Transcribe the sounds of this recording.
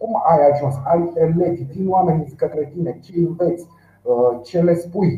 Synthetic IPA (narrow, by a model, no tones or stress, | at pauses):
kumajaʒunsajelet̪ʲid̪inwamenʲid̪kət̪ɾet̪inet͡ʃeɨnve̞t̪sʲ | t͡ʃe̞le̞spuj